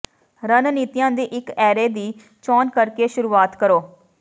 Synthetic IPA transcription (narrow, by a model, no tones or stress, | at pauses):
ɾənniːt̪ijãːd̪iːʔɪkɛːɾeːd̪iː | t͡ʃɔːnkəɾkeːʃʊɾuːaːt̪kəɾoː